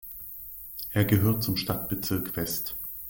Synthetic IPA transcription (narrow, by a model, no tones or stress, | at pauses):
ʔeːɐɡəɦøːɐt̚t͡sʊmʃtatb̥ət͡sɪɐkfɛst